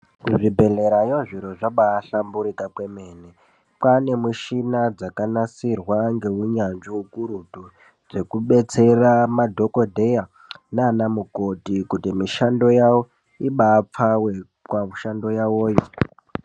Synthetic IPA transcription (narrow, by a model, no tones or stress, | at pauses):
kuʐibʱe̞ɮe̞ɾajoʐiɾoʐaɓaːɬambuɾikakwe̞meːne | pane̞muʃinad͡zakanasirwaŋɡe̞uɲand͡ʒiukuɾutu | d͡ze̞kuɓe̞t͡se̞ramadʱo̞ko̞dʱe̞ja | nanamuko̞tikutimiʃando̞jawo | iɓaːp͡fawe | kwauʃando̞jawoːjo